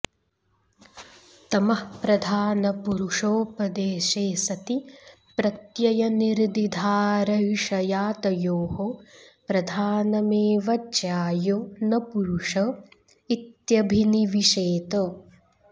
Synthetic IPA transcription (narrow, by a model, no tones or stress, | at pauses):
t̪ɐmɐhpɾɐd̪ʱaːnɐpuɾuʂoːpɐd̪eːʃeːsɐt̪i | pɾɐt̪jɐjɐniɾd̪id̪ʱaːɾɐʋiʃɐjaːt̪ɐjoːɦopɾɐd̪ʱaːnɐmeːʋɐt͡ʃjaːjoːnɐpuɾuʂɐ | it̪jɐbʱiniʋiʃeːt̪ɐ